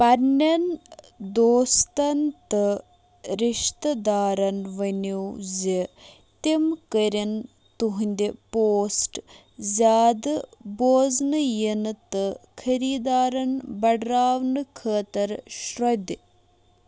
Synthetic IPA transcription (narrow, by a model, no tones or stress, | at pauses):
pɐɾnɐn | d̪oːst̪ɐnt̪ɨ | ɾiʃt̪ɐd̪aːɾɐnʋɐnuwzi | t̪imkəɾɐn | t̪uɦunʲd̪ipoːsʈ | zʲaːd̪ɨboːznɨjinɨt̪ɨkʰɐɾiːd̪aːɾɐnbɐɖɾaːʋnɨkʰəːt̪ɐɾʃɾod̪